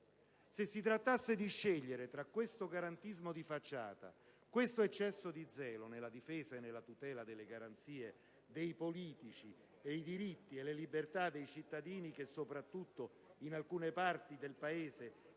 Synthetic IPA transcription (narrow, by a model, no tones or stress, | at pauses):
sesːit̪ɾat̪ːasːed̪iʃːeʎːeɾet̪ɾakːwest̪oɡaɾant̪izmod̪ifat͡ʃːa̰ːt̪a̰ | kwest̪oet͡ʃːɛsːod̪id̪zɛːlonelːad̪ifeːzaenːelːat̪ut̪ɛːlad̪elːeɡaɾant̪siːe | d̪ejpoliːt̪it͡ʃi | ejd̪iɾit̪ːielːelibert̪ad̪ːejt͡ʃit̪ːad̪iːnik̟esːopɾat̪ːut̪ːo | inalkuːnepart̪id̪elpaeːze